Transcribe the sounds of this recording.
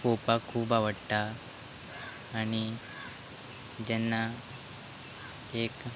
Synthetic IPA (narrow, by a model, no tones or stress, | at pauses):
kopakʰuːbaʋəɽta | ɽ̃i | d͡ʑɛnːa | ek